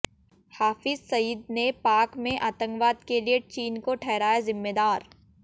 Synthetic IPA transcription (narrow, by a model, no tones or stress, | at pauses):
haːfɪzsɐjɪd̪nepaːkmẽʔaːt̪ə̃ŋkʋaːd̪kelijet͡ʃiːnkoʈʰɛːɾaːjazɪmːed̪aːɾ